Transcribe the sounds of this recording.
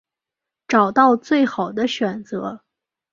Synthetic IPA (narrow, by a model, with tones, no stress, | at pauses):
ʈ͡ʂɑ˨˩ʊt̪ɑ˥˧ʊt͡swe˥˩ɪxɑ˨˩ʊd̪ə˦ɕɥɛ˨˩nt͡sɤ˧˥